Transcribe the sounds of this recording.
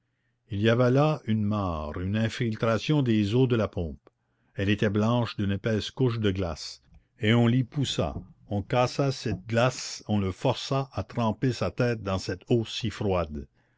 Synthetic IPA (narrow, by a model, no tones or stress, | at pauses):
iliavɛlaynmaːʁynɛ̃filt̪ɾasjɔ̃d̪ezod̪əlapʰɔ̃p | ɛlet̪ɛblɑ̃ːʃd̪ynepɛːskuʃ̬d̪əɡla̰s | eɔ̃lipusa̰ɔ̃kasasɛt̪̚ɡlasɔ̃ləfɔʁsaʔat̪ɾɑ̃pesat̪ɛːt̪̚d̪ɑ̃sɛt̪osifɾwad̪